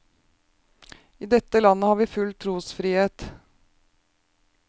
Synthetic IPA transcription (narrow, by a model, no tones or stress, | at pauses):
iːd̪ɛt̪əlɑnəhɑːɾʋiːfʉlt̪ʰɾuːsfɾiːheːt̪